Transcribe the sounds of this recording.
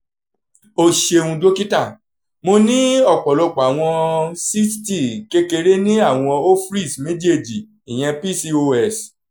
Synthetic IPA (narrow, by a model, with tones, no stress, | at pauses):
o˧ʃe˧ũ˧do˦ki˦tã˦˨ | mo˧nĩ˦ɔ˦˨k͡pɔ˨lɔ˧k͡pa˨a˨w̃ɔ̃˧si˦ti˦˨ke˧ke˧ɾe˦nĩ˦a˦˨w̃ɔ̃˧o˦fɾi˦˨smẽ˦d͡ʒe˦˨d͡ʒi˨ | i˨j̃ɛ̃˧pi˦˨si˧o˧ɛ˧˨s